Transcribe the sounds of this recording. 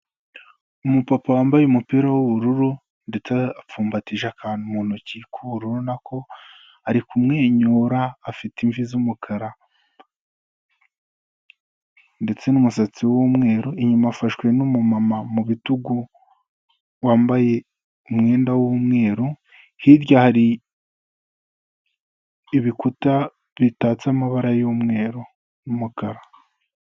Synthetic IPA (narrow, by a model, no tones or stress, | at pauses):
umupapawaːmbajeumupiːɾawuβuɾuɾu | nde̞t͡seap͡fuːmbatiʒakʰaːnumuːnucikʰuβuɾuɾunakʰo̞ | aɾikumŋeːɲuːɾaːfitiɱvizumukʰaɾa | nde̞t͡se̞numusat͡siwwumŋe̞ːɾoiɲumafaʃwe̞numumamamuβituɡu | waːmbaje̞ | umŋe̞ːndawuumŋe̞ːɾo | hiɾɟahaɾi | iβikuta | βitaːt͡samaβaɾajomŋe̞ːɾo | numukaɾa